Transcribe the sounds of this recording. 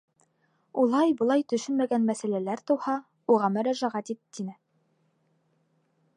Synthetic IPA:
ulˠɑjbŏlˠɑjt̪ɵ̆ʃɵnmæɡænmæsælælæɾt̪ɤ̆whɑ | uʁɑmɵ̆ɾæʒæʁæt̪it̪ːinɘ

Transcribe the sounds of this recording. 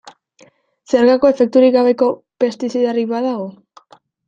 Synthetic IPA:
seɾɣako̞e̞fe̞k̚t̪uɾiɣaβe̞ko̞ | pe̞st̪isiðariβaðaɣo

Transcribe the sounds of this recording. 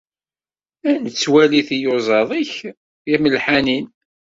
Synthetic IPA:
ænt͡sːwæliθijozˤɑðˤiç | jæməlħanin

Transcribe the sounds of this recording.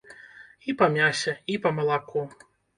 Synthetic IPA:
ipɐmʲasʲɛipɐmɐlˠaku

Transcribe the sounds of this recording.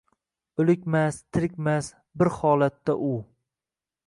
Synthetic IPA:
ɵlɪkʲmast̪ʰɪɾɪkʲmas | bɪɾhɒlat̪ːaʔʊ

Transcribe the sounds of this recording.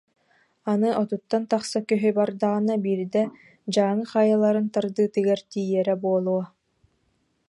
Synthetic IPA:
anɯʔɔt̪ut̪ːant̪aχsakœɦybaɾd̪aʁɯnabiːɾd̪ɛ | d͡ʑaːŋɯχajalˠaɾɯnt̪aɾd̪ɯːt̪ɯɡaɾt̪iːjɛɾɛbuɔlˠuɔ

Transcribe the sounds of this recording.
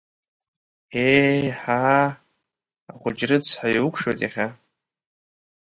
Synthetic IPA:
eħa | aχʷʊd͡ʒrɨt͡sʰħajukʷʰʂojtʼaχʲa

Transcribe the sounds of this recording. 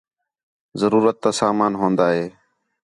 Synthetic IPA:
zəɾuːɾət̪ːaːsaːmaːnɦõːnd̪aːɦeː

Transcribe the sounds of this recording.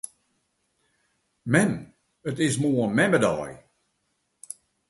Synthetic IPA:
mɛn | ətɪs̬moənmɛmədɔ̰ːj

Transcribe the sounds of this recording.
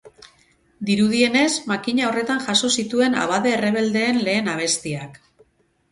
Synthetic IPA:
d̪iɾuðie̞ne̞zmakiɲao̞re̞t̪aŋʝaso̞sit̪ue̞na̰βaðe̞ːre̞β̞e̞ld̪e̞ːnle̞ːnaβ̞e̞st̪iak

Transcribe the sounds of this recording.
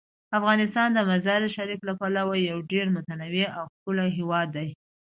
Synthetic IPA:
afɣɑnɪst̪ɑnd̪əmazɑɾɪʃaɾiklapalawaːawɖeɾmʊt̪anawiawxpəlaɦewɑd̪ːaj

